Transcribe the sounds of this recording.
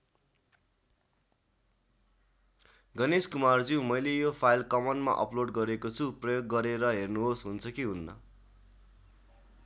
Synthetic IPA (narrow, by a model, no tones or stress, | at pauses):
ɡʌneskumard͡ziw̃mʌjlejopʰajlkʌmʌnɖma̰ʔʌ̰ploɖɡʌɾekot͡sʰuprʌjoɡːʌɾeɾʌɦernuɦosɦunt͡sʰʌkiɦunːʌ̰